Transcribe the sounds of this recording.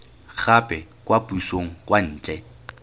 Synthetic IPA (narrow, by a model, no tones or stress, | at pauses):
k͡xʰapʼɛkʼwapʊisoŋ̩kʼwan̩ːt͡ʃʼɛ